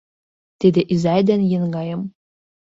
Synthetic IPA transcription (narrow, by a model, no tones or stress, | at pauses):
t̪ed̪ĕʔizæjd̪ænjĕnɡɑjɤ̆m